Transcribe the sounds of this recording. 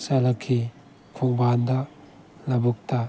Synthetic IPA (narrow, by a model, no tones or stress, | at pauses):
salakʰːi | kʰuŋband̪a | labuk̚ta